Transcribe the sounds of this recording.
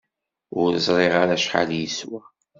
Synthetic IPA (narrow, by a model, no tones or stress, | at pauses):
ʊɾzˤɾˤeʁaɾaʃħa̰ljəswæ